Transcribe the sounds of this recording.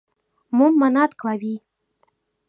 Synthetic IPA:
momːɑnɑt̪klˠɑβʲi

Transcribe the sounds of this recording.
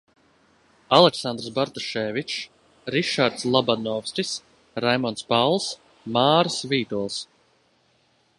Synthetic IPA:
alˠɛksand̪ɾsbaɾt̪ɔʃɛːvit͡ʃ | ɾiʃaɾt̪slˠabanɔfsʲt̪ʲis | ɾajmɔnt̪spawlˠs | maːɾsviːt̪ulˠs

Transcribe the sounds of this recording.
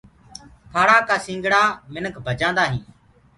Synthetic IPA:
pʰaːɽaːkaːsĩːŋɡɽaːmɪnəkʰbʱəd͡ʒãːnd̪aːɦĩː

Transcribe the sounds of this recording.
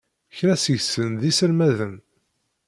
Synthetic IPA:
çɾæsəʝsənðisəlmæðən

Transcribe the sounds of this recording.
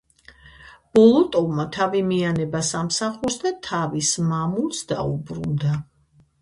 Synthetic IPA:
b̥ɔlˠɔt̪ʼɔvmat̪ʰavimianɛbasamsaχuɾsd̪at̪ʰavismamulˠsd̪aṵbɾṵnd̪a

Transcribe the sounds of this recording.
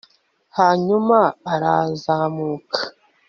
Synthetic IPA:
haɲumaːɾazaːmuːkʰḁ

